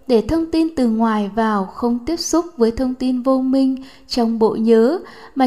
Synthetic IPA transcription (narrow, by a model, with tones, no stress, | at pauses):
ɗe˧˩t̪ʰə˧wŋ͡mt̪i˧nt̪ɨ˨˩ŋwaː˨˩jvaː˨˩wxə˧wŋ͡mt̪i˦˥əp̚sʊ˦˥k͡p̚vəː˨˦jt̪ʰə˧wŋ͡mt̪i˧nvo˧mï˧ŋ̟ | t͡ɕɔ˧wŋ͡mɓo̰˧˨ɲəː˨˦maː˨˩